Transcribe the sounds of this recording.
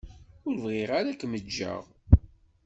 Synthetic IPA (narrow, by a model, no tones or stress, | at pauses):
ʊɾvʁɪʁaɾakməd͡ʒːə̰ʁ